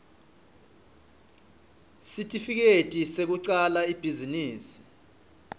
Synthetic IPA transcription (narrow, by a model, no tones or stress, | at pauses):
sitʼifik̬etʼisek̬uǀalaib̥ʱiziniːsi̥